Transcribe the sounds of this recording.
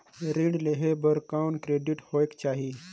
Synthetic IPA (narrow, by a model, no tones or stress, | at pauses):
ɾiɳɖleɦebəɾkawnkɾeɖiʈhoekt͡ɕaɦi